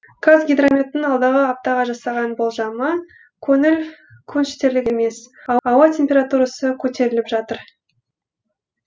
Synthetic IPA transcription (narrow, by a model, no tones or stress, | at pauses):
kʰazɡʲijd̪romʲet̪ːɪnɑlˠd̪ɑʁəɑp̚t̪ɑʁɑʒɑsɑʁɑnbolˠʒɑmə | kʲʰɵnɪl | kʲʰɵnʃt̪e̞ɾlɪɡʲe̞me̞sɑwɑt̪ʲʰe̞mpʲe̞ɾat̪uɾasəkʲʰɵt̪e̞ɾɪlɪpʒɑt̪əɾ